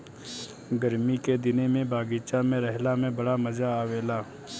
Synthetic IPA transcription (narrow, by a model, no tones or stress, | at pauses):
ɡəɾmiked̪ɪnemẽbʱaːɡiːt͡ʃamẽɾɛɦlamẽbɐɽamɐzaaːʋeːlaː